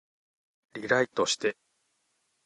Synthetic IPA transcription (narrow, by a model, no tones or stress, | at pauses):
ɾʲiɾait̪o̞ɕi̥t̪e̞